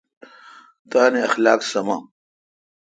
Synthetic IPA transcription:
t̪aːneɐxlaːksɐma̰ːm

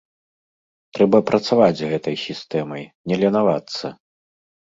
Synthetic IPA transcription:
t̪ɾɛbɐpɾɐt̪savad͡zʲzɣɛt̪ɐjsʲist̪ɛmɐjnʲɛlʲɛnavat̪sːɐ

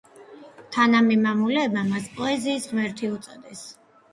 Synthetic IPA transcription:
t̪ʰanamimamulɛːbmamaspʼɔɛziːsʁmɛɾt̪ʰiut̪sʼɔd̪ɛs

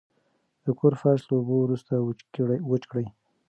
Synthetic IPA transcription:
d̪̥əkʰoɾfaʃlaobowɾust̪awət͡ʃkɽəj

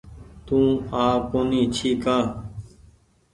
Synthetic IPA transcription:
t̪ũːaːkoːnĩːt͡ʃʰiːkaː

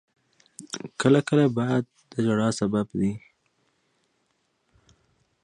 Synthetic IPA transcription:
kəlakəlabɑjad̪̚ | d̪əd͡ʒaɽɑsababd̪i

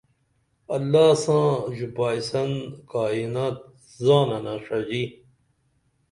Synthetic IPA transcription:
ɐlːaːsãːd͡ʑubaːisɐnkaːinaːt̪̚ | zãːnɐnaʂɐd͡ʑi

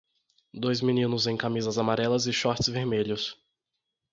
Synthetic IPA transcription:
d̪ojzminĩnʊzẽj̃kamizɐzamaɾɛlɐzɪʃɔɾt͡ʃɪzveɾmeʎʊs

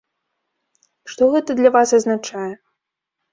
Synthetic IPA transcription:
ʂt̪ɔɣɛt̪ɐd̪lʲavasɐznat͡ʂajɛ

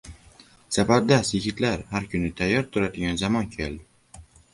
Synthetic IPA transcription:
safaɾd̪asɪɡʲɪt̪ʰlaɾhaɾkʰʊnɪt̪ʰajːɒɾt̪ʰʊɾad̪ɪɡʲanzamɒnkʲʰeld̪ɪ

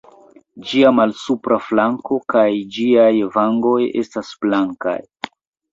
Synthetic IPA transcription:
d͡ʒiamalsupɾaflaŋko̞kajd͡ʒiajvaŋɡo̞je̞̰stasb̥laŋka̰j

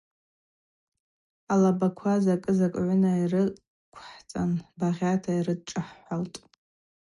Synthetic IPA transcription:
alabakʷʰazakʼɨzakʷʼʕʷʊnairɨ | kʷʰħt͡sʼanbaʁʲatʰairɨd̚ʈ͡ʂʼɨħħaltʼ

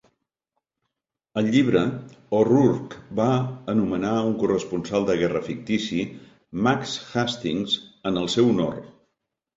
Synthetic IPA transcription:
əlˠʎiβɾəoruɾkbaənumənauŋkurəspunsalˠd̪əɣɛrəfik̚t̪isi | maksxast̪iŋzənəlˠsɛwuno̰r

